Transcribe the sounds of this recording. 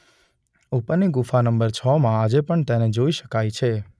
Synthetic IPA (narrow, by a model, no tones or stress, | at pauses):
upəniɡufanəmbəɾt͡ʃʰɔmãad͡ʒepəɳt̪ɛned͡ʒoiʃə̥kajt͡ʃʰe